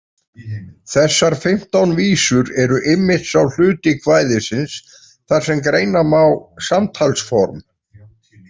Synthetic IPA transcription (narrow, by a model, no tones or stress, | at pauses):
θɛsːaɾ̥fɪm̥t̪awnviːsʏɾɛɾʏʔɪmːɪt̪sawl̥ʏːt̪ɪkʰvaːjðɪsɪns | θaɾ̥sɛmkɾeːjnamawsamt̪ʰalsfɔɾm